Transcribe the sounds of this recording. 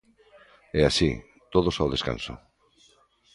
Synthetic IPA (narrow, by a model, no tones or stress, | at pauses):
easi | t̪oð̞osawðe̞skã̰nso̰